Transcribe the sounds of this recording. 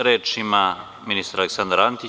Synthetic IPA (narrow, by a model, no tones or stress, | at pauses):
ɾeːt͡ʃima | minist̪ɾaleksand̪ɾant̪i